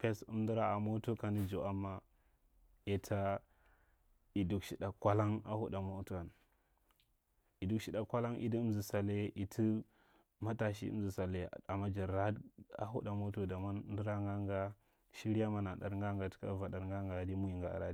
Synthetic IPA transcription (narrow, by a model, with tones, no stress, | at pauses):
pe˦sṵ˦mdi˦ɾa˦a˨mo˦to˦ka˨ndi˦d͡ʒo˨ʔa˦mːa˦ | e˨tʰa˦ | i˨du˨kʃi˨ɗa˨kʷa˦la˦ŋa̰˨hu˦da˨mo˦tu˦a˨n | i˨du˨kʃi˨ɗa˨kʷa˦la˦nʔḭ˦di˦mzi˨sa˨le˦i˨tʰi˦ | ma˦ta˨ʃ̬ḭ˦ṵ˦mzi˨sa˨le˦˨a˨ma˦d͡ʒa˨ɾa˦a̰˨ɦṵ˦da˨mo˦to˦da˨ma˦n˦di˦ɾa˦ŋɡa˦ŋɡa˦ | ʃi˦ɾi˦ja˦ma˨na˨ɗa̰˨ɾŋɡa˦ŋɡa˨ti̥˦ka̰˦va˨da˨ɾŋɡa˦ŋɡa˨di˦mu˦ji˨ŋɡa˨a̰˨ɾa˦